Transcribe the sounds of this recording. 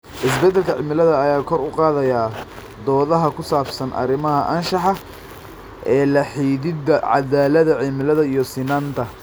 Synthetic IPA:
ʔɪsbɛd̪ɛlkʰɐʕɪmɪlɐðɐːjaːkʰɔɾʊqɑːðɐjaː | d̪ɔːðɐɦɐkʰʊsaːbsɐnʔɐ̰ɾɪmɐɦɐʔɐnʃɑħɑ | ʔɛːlɐħiːðɪd̪ɐʕɑ̰ðaːlɐðɐʕɪmɪlɐðɐijɔsɪnaːnt̪ʰɐ

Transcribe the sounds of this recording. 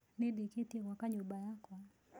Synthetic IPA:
nɪdikitekwakaɲubajakɔ

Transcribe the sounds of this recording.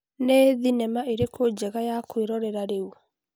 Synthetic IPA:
neðinɛmaʔeɾekod͡ʑɛɣajakweɾɔɾɛɾaɾeu

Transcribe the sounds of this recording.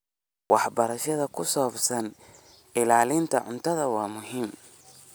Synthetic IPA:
wɑħbɐɾɐʃɐðɐkʰʊsɔːbsɐn | ɪlaːlɪnt̪ʰɐʕʊ̰nt̪ʰɐðɐwɑːmʊɦiːm

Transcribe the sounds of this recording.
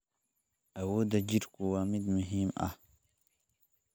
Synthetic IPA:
ɐwod̪ɐd͡ʒiɾkuwaːmid̪muɦima̰

